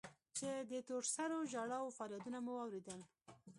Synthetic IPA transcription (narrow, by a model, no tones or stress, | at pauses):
t͡ʃed̪ət̪oʈsaɾoʒɑɽɑwofɑljad̪unamuwɑwɾed̪əl